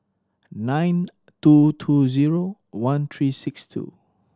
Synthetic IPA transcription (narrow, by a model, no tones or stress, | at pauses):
nãjn | tutʰuziɹo | wãnt̪ʰɹisɪkstʰṵ